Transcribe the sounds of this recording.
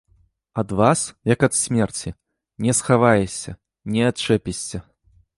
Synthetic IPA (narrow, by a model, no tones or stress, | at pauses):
ɐd̪vasjɐkɐt̪sʲmʲɛrt͡sʲi | nʲɛsxavajɛsʲɐ̰ | nʲɛɐt̪̚t͡ʂɛpʲɛsʲt͡sʲɐ